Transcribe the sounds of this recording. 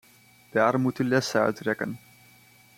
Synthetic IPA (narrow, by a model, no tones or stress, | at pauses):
d̥aːrmutəlɛsəœ̰ɥtrɛkə̰n